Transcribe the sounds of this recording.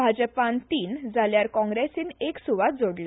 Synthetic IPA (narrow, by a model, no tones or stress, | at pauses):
bʱad͡ʑəpant̪iːnd͡zʱaljaɾkɔ̃ŋɡɾesiːneksuʋat̪̚d͡zoɽle